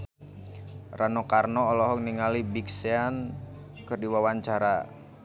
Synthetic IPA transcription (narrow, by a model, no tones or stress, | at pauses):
ranɔkarnɔːlɔɦɔŋniŋalibiksean | kərdiwawaɲt͡ʃaɾa